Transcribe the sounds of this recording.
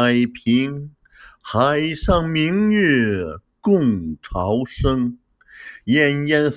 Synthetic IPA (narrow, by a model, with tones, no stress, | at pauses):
ɪpʰi˧˥ŋ | xa˧˨ɪʂɑ˥˩ŋmi˧˥ŋy˥˩kʊ˥˩ŋʈ͡ʂʰɑ˧˥ʊʂɤ˥ŋ | jɛ˥˧˩njɛ˥˧ns